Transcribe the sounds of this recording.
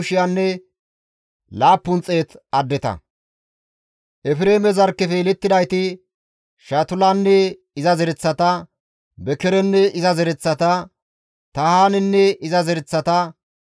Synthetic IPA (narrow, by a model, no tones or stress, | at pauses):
ʊʃɪjanːɛ | laːpːʊnt͡sʼːeːt̪ɐd̪ːɛt̪ɐ̰ | ʔɛfɾe̞ːmɛzɐɾkːɛfeːlɛt̪ːɪd̪ɐjt̪ɪ | ʃɐt̪ʊlanːɛ | ɪzɐzɛɾɛt͡sːɐt̪ɐ | bɛkɛɾɛnːɛɪzɐzɛɾɛt͡sːɐt̪ɐ | t̪ɐhaːnɛnːɛɪzɐzɛɾɛt͡sːɐt̪ɐ